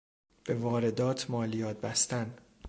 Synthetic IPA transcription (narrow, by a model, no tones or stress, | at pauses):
b̥e̞vɒːɾe̞d̪ɒːt̪ʰmɒːlijɒːt̪̚bæst̪æn